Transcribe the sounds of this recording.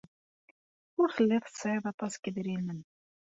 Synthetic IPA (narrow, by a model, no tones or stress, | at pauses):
ʊɾθəlːiðˤθə̥sʕiðˤɑt̪ˤːɑskəðɾilən